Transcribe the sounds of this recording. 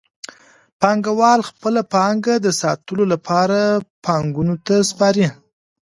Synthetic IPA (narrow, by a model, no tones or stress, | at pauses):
pɑŋɡawɑlxpəlapɑŋɡad̪əsɑt̪əlolapʰɑɾapʰɑŋɡunot̪aspɑɾi